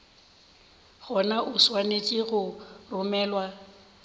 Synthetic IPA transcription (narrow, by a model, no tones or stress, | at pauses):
ɣɔnaʔʊswanet͡ʃʼɪɣʊrʊmɛːlwa